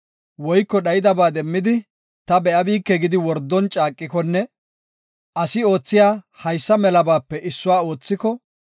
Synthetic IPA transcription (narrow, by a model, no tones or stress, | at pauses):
wɔjkːɔɗɐjɪd̪ɐbaːd̪ɛmːɪd̪ɪ | t̪ɐbɛʔɐbiːkːɛɡɪd̪ɪwɔɾd̪ːɔnt͡ʃʼaːkʼːɪkɔnːɛ | ʔɐsɪo̞ːt͡sːɪjaː | hɐjsːɐmɛlɐbaːpːɛʔɪsːʊwaːo̞ːt͡sːɪkɔ